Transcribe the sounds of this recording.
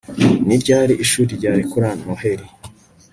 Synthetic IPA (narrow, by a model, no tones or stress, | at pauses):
niɾɟaːɾiʔiʃuːɾiɾɟaːɾikuɾanoheɾi